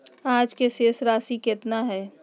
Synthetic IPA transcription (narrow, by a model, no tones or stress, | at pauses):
aːd͡ʒkeseːsɾaːsikɪt̪naɦɛː